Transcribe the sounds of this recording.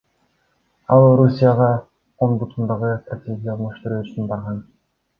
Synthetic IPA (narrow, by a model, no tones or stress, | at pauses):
ɑlˠɾusʲijɑʁɑ | onbut̪ʰund̪ɑʁɯst̪rat̪ʲʰe̞ɡʲijɑlˠmuʃt̪uɾøːyt͡ʃynbɑɾʁɑn